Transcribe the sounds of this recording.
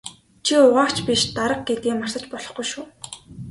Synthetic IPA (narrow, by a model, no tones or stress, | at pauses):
t͡ɕʰiʊʁaːkt͡ɕpʲiʃt̪aɾə̆q̚ɡet̪̚ɡiːmar̥sə̆t͡ɕpɔɮɞ̆χɡujʃuː